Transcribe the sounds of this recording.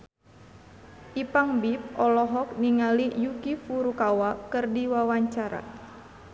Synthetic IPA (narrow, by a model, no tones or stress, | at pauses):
ʔipaŋbip̚ɔlɔɦɔk̚niŋalijukifuɾukawakɨrdiwawaɲt͡ʃaɾa̰